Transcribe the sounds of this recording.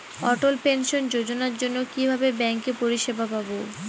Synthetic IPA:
ɔʈolpenʃond͡ʑod͡ʑonaɾd͡ʑonːokibʱabebɛŋkepoɾiʃebʱapabo

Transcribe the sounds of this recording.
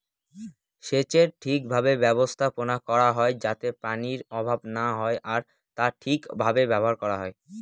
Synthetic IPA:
ʃet͡ɕeɾʈʰik̚bʱabebɛbost̪ʰaponakɔɾaɦɔed͡ʑat̪epaniɾɔbʱabnaɦɔeʔaɾ | t̪aʈʰikbʱabebɛboɦaɾkɔɾaɦɔe

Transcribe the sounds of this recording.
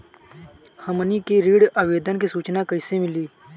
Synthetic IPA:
həmənikeɾiːɽaːʋeːd̪ənkisuːt͡ʃnakəɪsemɪliː

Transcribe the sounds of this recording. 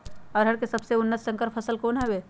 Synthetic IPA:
ɔːɾɦɐɽkesɐbseʊnːəssə̃ŋkəɾpʰɐsəlkoːnɦɛweː

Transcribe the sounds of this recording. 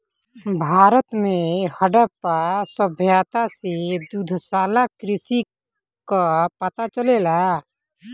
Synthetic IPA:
bʱaːɾət̪mẽhəɖəpasəbʱjaːt̪ased̪ud̪ʱsaːlakɾɪsi | kapət̪at͡ʃəlela

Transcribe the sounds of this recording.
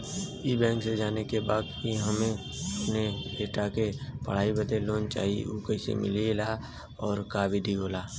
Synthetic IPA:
ibɛ̃ːŋksed͡ʒaːnekebaːd̪kiɦəmẽ | əpneleːʈakepə̰ɽ̤aːibət̪eloːnt͡ʃa̰ːɦḭokəɪsḛmɪ̰lila | ɔːɾkaːbʱiɖʱiɦoːlaː

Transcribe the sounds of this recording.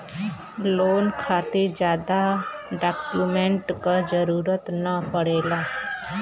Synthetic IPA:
loːnkʰaːt̪ed͡ʒjaːd̪aɖaːkjuːmẽɳʈkad͡ʒəɾuːɾət̪nəpəɽeːlaː

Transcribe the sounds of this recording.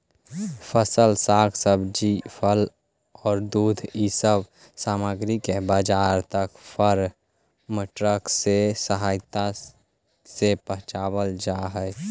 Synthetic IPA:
pʰəsəlsaːɡʰsəbd͡ʒipʰəl | ɔːɾd̪uːd̪ʱisəb | saːməɡɾikebəd͡ʒaːɾt̪əkpʰəɾ | məʈɾəksesəɦaːɪt̪a | sepəɦt͡ʃaːbəld͡ʒaɦə

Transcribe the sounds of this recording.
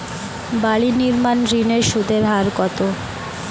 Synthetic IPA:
baɭiniɾmanɾineʃud̪ʱeɾɦaɾkɔt̪o

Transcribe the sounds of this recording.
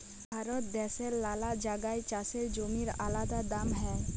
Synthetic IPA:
bbʱaɾɔt̪̚d̪ɛseɾlalad͡ʒaɡajt͡ʃaseɾd͡ʒomiɾalad̪ad̪amɦɛ

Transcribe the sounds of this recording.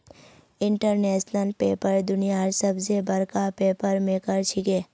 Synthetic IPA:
ɪɳʈəɾnɛːʃnəlpeːpəɾd̪ʊnijaɾsəbsebɐɾkapeːpəɾmẽkəɾt͡ʃʰɪkeː

